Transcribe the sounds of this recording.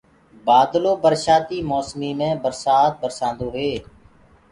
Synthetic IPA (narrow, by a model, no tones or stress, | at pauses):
baːd̪loːbəɾʃaːt̪iːmoːsmiːmẽːbəɾsaːt̪̚bəɾsãːnd̪oːɦeː